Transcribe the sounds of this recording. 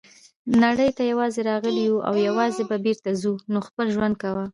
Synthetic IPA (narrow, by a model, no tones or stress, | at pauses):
naɽəjt̪ajawɑzeɾɑɣəliwuʔa̰wjawɑzebabeɾt̪azunoxpəlʒwand̪̚kawa